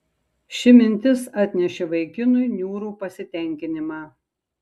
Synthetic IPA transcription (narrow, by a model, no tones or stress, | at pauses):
ʃʲɪmʲɪnʲt̪ʲɪsɑːt̪ʲnʲɛʃʲɛʋɐɪkʲɪnʊjnʲuːɾuːpɐsʲɪt̪ʲɛˑŋʲkʲɪnʲɪmɑː